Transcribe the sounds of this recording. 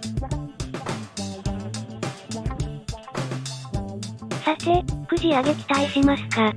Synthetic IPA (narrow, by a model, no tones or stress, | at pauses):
sasekɯ̟d͡ʑiaɡekʲi̥t̪aiɕimasɨ̥ka